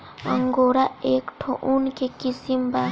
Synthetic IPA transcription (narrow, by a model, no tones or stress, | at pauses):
ɐ̰ŋɡoːɾaeːkʈʰoʔunkekisimba